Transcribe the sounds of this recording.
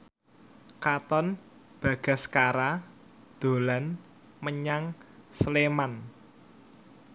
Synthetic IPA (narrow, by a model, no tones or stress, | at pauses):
kat̪ɔn | b̥ä̤ɡ̥a̤skaɾa | d̪̥o̤lan | məɲaŋsleman